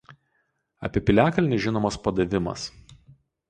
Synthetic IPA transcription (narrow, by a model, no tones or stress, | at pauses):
ɐ̰pʲiɛpʲɪlʲæːkɐlʲnʲɪʒʲɪnoːmɐspɐd̪ɐʋʲɪmɐ̰s